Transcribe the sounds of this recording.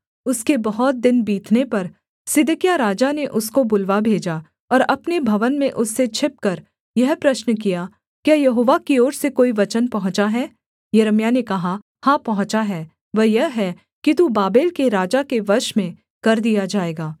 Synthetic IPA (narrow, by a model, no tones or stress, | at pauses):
ʊskebɐɦɔt̪̚d̪ɪnbiːt̪ʰnepɐɾ | sɪd̪kjaɾaːd͡ʒaneʔʊskobʊlʋabʱeːd͡ʒa | ɔːɾɐpnebʱɐʋənmẽʔʊsːet͡ʃʰɪp̚kɐɾ | jɐɦpɾɐʃnək̬ija | kjaːjɐɦoːʋakioːɾsekoːiʋɐt͡ʃənpɐɦʊ̃t͡ʃaɦɛː | jɐɾəmjanekɐɦa | hãːpɐɦʊ̃t͡ʃaɦɛː | ʋɛɦjɐɦɦɛ | kit̪ubaːbeːlkeɾaːd͡ʒakeʋɐɾʃmẽ | kɐɾd̪ijad͡ʒaːeːɡaː